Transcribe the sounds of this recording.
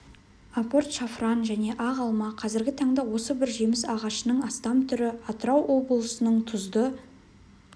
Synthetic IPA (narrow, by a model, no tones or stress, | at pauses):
apo̞rt̪ʃafrɑnʒæne̞ʔɑʁɑlˠmɑqʰɑzɪɾɡʲɪt̪ʰɑɴd̪ɑwo̞səbɪɾʒemɪsɑʁɑʃənəɴɑst̪ɑmt̪ʰʏɾɪɑt̪əɾɑwʔo̞blˠəsənəɴt̪ʰʊzd̪ə